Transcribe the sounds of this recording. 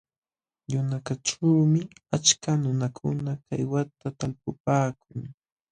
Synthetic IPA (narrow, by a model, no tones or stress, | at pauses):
jʊnakaʈ͡ʂuːmɪat͡ʃkanʊnakʰʊ̰nakajwat̪at̪alpʊpaːkʊŋ